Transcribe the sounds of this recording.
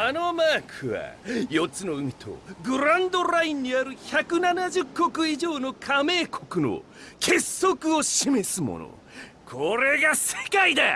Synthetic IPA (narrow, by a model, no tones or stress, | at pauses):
ano̞maːkʰɯ̟βa̰jo̞t͡sɨno̞ɯ̟mʲit̪ʰo̞̰ɡɯ̟ɾãnd̪o̞ɾaĩɲ̟ːiaɾɯ̟çakɯ̟nanaʑɨkːo̞kɯ̟iʑo̞ːno̞kʰame̞ːkʰo̞kɯ̟no̞̰ | kʰe̞sːo̞kɯ̟oɕime̞sɨmo̞̰no̰ | kʰo̞ɾe̞ɡase̞̥kaid̪a